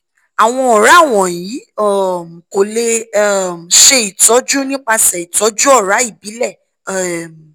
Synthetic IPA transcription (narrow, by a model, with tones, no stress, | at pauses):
a˨w̃ɔ̃˧ɔ˨ɾa˨˦˨w̃ɔ̃˨jĩ˨˦˨ | ko˨le˧˦˨m˨ʃe˧i˨tɔ˨˦d͡ʒu˦nĩ˦k͡pa˧sɛ˨i˨tɔ˨˦d͡ʒu˦ɔ˦˨ɾa˨˦i˦˨bi˨˦lɛ˦˨